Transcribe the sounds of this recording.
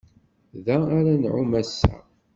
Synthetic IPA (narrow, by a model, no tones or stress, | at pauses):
ðæaɾanʕumæsːæ̰